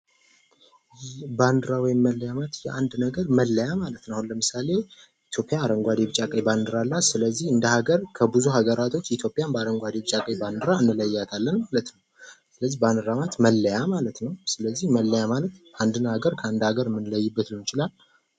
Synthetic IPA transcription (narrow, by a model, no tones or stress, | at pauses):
jband̪ɨɾawɔjɪmːəlːəjamat̪jɛʔand̪nəɡəɾməlːəjamalət̪nəwahunləmɨsale̞ | it̪ʰjo̞pʼjaːɾəŋɡʷad̪eβɨt͡ʃʼakʼəjband̪ɨɾalːasɨləzːihɨnd̪əhaɡəɾkʰəbɨzuɦaɡəɾat̪ʰo̞t͡ʃːɪt̪ʰjo̞pʼːjanbəaɾəŋɡʷad̪ebɨt͡ʃʼakʼəjband̪ɨɾaɨnːɨləjːat̪ʰalːənmalət̪nəwsɨləzːihband̪ɨɾamat̪məlːəjamalət̪nəwsɨləzːihməlːəjamalət̪and̪ɨnhaɡəɾkʰəand̪haɡəɾɨmːɨnləjːɪbːət̪lunɪt͡ʃɪlal